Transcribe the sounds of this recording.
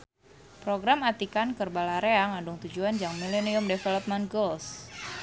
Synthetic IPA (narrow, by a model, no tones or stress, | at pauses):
pɾoɡɾamat̪ikankərbalaɾeaŋandʊŋt̪ud͡ʒuand͡ʒaŋmileniʊmdefelɔp̚mɛnt̪̚ɡols